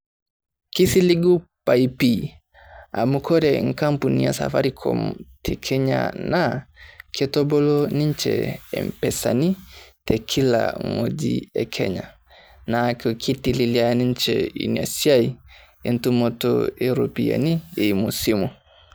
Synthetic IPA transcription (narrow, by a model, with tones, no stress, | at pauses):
ki˦si˦li˦ɡu˦pa˨ipi | a̰˨mu˨kʰɔ˦ɾɛ˨ŋ̩˨ka˦mpu˨ni˦ja˨sa̰˨fa˦ɾikʰɔ̰˨mtʰi˨kʰɛ˦ɲa̰na˨kʰɛtɔ˦bɔ˦lɔ˦ni˦ɲ˦t͡ʃɛ̰ɛ̰˨m̩˨pɛ˨sa˨ni˦tʰɛ˨kʰi˦la̰ŋo˨d͡ʒḭɛ˨kʰɛ̰˦ɲa̰˨ | na˨kɔ˨kʰi˦ti˨li˨liani˦ɲ˦t͡ʃɛḭ˨nia˨sia˦i˨ | e˨ntu˦mɔ˦tɔ̰e˨ɾo˨pi˨a̰˨ni˦e˨mu˨si˦mu˨